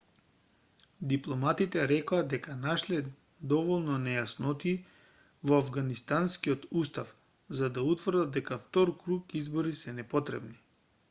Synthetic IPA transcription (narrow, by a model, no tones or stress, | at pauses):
d̪iplˠɔmat̪it̪ɛɾɛkoad̪ɛkanaʃlɛ | d̪ɔvɔlˠnɔnɛjasnɔt̪i | vɔavɡanist̪anskiɔt̪ust̪af | zad̪aut̪vrd̪ad̪ɛkaft̪ɔɾkɾukizbɔɾisɛnɛpɔt̪ɾɛ̰bni